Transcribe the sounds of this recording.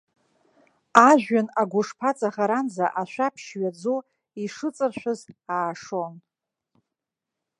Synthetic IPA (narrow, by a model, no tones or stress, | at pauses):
aʒᶣanaɡʷʊʂpʰat͡sʼaχaɾanzaʔaʃʷapʰʃɥad͡zo | iʂɨt͡sʼɨrʃʷᶣɨzaːʂon